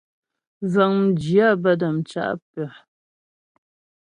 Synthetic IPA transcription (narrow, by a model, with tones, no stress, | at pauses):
za˨ŋm̩˨d͡ʒi˨a˦˨bə˦da˨mt͡ʃa̰˦ʔpɛ˨